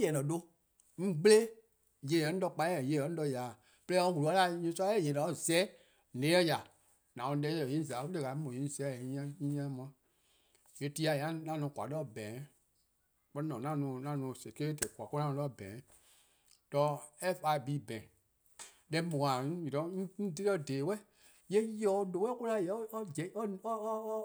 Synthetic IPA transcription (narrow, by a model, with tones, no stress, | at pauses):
jɛ˨lɔ̃˨do˦ | ŋ̩̃˦ɡ͡ble˦ | je˨ɛ˨n̩˦dɔ˧k͡pa˧˦˨je˨ɛ˨ñ̩˦dɔ˧ja˨ | plɛ˦ɔ̃˧˦wu˨u˨a˦la˦ɲĩ˧˦sa˦je˨nɔ̃˨ɔ˦˨zɛː˦ | lẽ˨˦ɛ˦ja˨ | nã˨ɔ̃˧˦dɛ˧˦ɔ˨jĩ˦za˨˦fu˦e˦˧˨ka˨˦mɔ̃˨ĩ˨˦zɛ̃˨˦˨ã˦ĩ˦ã˦mã˨˦ | je˨˦ti˧˦a˧˨jã˦nã˦nɔ̃˧˨kwa̰˨˦ɔ˦˨bɛ̃˨˦ | k͡pɔ˦i˦nɔ̃˨nã˦nũ˧˨nã˦nũ˨˧˨se˨ke˦tɛ˨kʷa˨ko˦ã˦˧ɔ˦˨bɛ̃ː˨˦ | tɔ˧˦ɛ˦fa˧˦˨bi˨˦bɛ̃˨ | lɛ˧˦mɔ̃˨ã˨˦ji˨ɔ˨˦ĩ˦di˦ɛ˦˨deː˨wɛ˦ | jɛ˦ɔ˨˦lo˨wɛ˦ku˦la˨jɛ˨˦ɔ˦d͡ʒɛ˨˦ɔ˦ɔ˦